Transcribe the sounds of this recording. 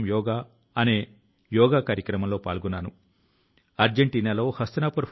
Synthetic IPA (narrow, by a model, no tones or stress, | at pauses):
mjɔːɡaː | ɐneː | jɔːɡaːkaːɾjɐkɾɐmɐmloːpa̰ːɭɡunːaːnu | ɐɾd͡ʒeɳʈiːnaːlo̞ːhɐst̪ɐnaːpuɾpʰ